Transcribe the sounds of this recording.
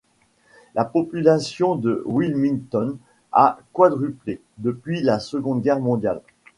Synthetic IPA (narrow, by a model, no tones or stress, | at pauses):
lʔapɔpylasjɔ̃d̪əwilmĩŋt̪ɔn | a̰kwad̪ʁyple | d̪əpɥilasəɡɔ̃d̪ɡʲɛʁmɔ̃d̪jal